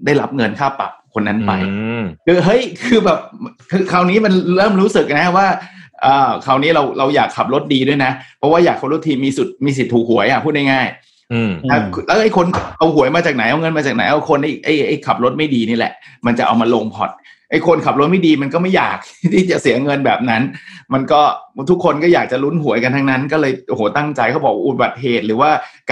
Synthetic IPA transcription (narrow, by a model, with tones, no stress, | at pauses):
daː˥˩jɾa˦˥p̚ŋɤ˧nkʰaː˥˩pːa̰˨˩p̚kʰo˧nːa˦˥npa˧jkʰɯː˧ɦɤ˦˥jkʰɯː˧bɛː˨˩p̚kʰɯː˧kʰa˨˩wniː˦˥ma˧nɾɤː˥˩mɾuː˦˥sɯ˨˩k̚na˦˥waː˥˩ʔɤː˨˩kʰa˨˩wniː˦˥ɾa˧wɾa˧wjaː˨˩kʰːa˨˩p̚ɾo˦˥t̪̚diː˧du˥˩əjna˦˥pʰɔ˦˥waː˥˩jaː˨˩k̚ʰːa˧ɾo˦˥t̪ʰːiː˧miː˧su˨˩t̪̚miː˧s̬i˨˩t̪ʰːuː˨˩k̚hu˩˦əjʔa˨˩pʰuː˥˩t̪̚na˥˩jŋaː˥˩j | ɛ˦˧˩lɛ˦˥wʔa˥˩jkʰo˧n˩ʔa˧whu˨˩˦əjmaː˧t͡ɕaː˨˩k̚na˩˦jʔa˧wŋɤ˧nmaː˧t͡ɕaː˨˩k̚na˩˦jʔa˧˩kʰo˧nʔa˥˩jʔa˥˩jʔa˥˩jkʰa˨˩p̚lo˦˥t̪̚ma˥˩jdiː˧niː˦˥˩lɛ̰˨˩ʔma˧nt͡ɕa˨˩ʔa̰˧wmaː˧loː˧ŋpʰɔ˨˩t̪̚ | ʔa˥˩jkʰo˧nkʰa˨˩p̚lo˦˥t̪̚ma˥˩jdiː˧ma˧nkɔː˥˩ma˥˩ja̰ː˨˩k̚t̪ʰiː˥˩t͡ɕa˨˩si˨˩˦ɐ˦ŋɤ˧nbɛː˨˩p̚na˦˥nma˧nkɔː˥˩t̪ʰu˦˥kʰːo˧nkɔ˥˩jaː˨˩k̚t͡ɕa˨˩lu˦˥nɦu˩˦jka˧nt̪ʰa˧ŋna˦˥nkɔː˥˩lɤː˧jʔo˧hoː˨˦t̪a˥˩ŋt͡ɕa˧jkʰa˥wbɔː˨˩k̚ːʔu˨˧˩ba˨˩t̪̚ɦeː˨˩t̪̚ɾɯː˩˦waː˥˩k